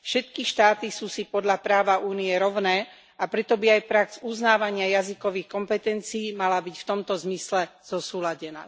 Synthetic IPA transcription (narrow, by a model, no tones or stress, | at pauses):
fʃɛt̪kiʃt̪aːt̪isuːsipɔd̪ʎapɾaːʋauːniɛɾɔʊnɛː | apɾɛt̪ɔbiajpɾakzuznaːʋaɲɪajazikɔʋiːxkɔmpɛt̪ɛnt͡siːmalabicft̪ɔmt̪ɔzmislɛz̥ɔsuːlaɟɛna̰ː